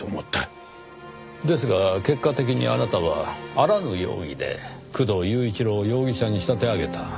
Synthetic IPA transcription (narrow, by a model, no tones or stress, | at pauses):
omot̪ːa | d̪e̞s̬ɨɡake̞kːat̪e̞k̬ʲiɲ̟ḭa̰nat̪aβa̰ːɾanɯ̟jo̞̰ːɡʲḭd̪e̞̰kɯ̟d̪o̞jɯ̟ːit͡ɕiɾo̞jo̞ːɡʲiɕaɲ̟iɕi̥t̪at̪e̞aɡe̞t̪a